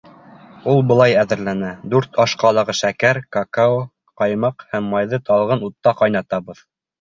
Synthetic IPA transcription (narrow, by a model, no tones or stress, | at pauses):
ulˠbɤ̆lˠɑjæðɘ̆ɾlænæd̪ʉɾt̪ʰɑʃqɑlˠɤ̆ʁɤʃækæɾkakao | qɑjmɑqhæmːɑjðɤt̪ɑlˠʁɤnut̪ːɑqɑjnɑt̪ɑβɤð